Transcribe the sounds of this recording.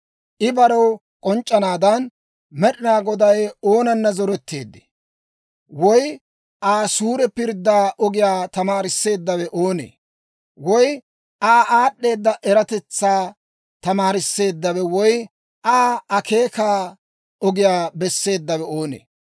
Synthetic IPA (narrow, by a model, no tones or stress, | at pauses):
ʔɪbɐɾɔw | kʼɔnt͡ʃʼːɐnaːd̪ɐn | mɛɗɪnaːɡɔd̪ɐjo̞ːnɐnːɐzɔɾɛt̪ːe̞ːd̪ːe̥ | wɔj | ʔaːsuːɾɛpɪɾd̪ːaːʔɔɡɪjaːt̪ɐmaːɾɪsːe̞ːd̪ːɐwɛʔoːnḛː | wɔj | ʔaːʔaːɗːe̞ːd̪ːɐʔɛɾɐt̪ɛt͡sːaː | t̪ɐmaːɾɪsːe̞ːd̪ːɐβɛwɔj | ʔaːɐke̞ːkaː | ɔɡɪjaːbɛsːe̞ːd̪ːɐwɛo̞ːnḛː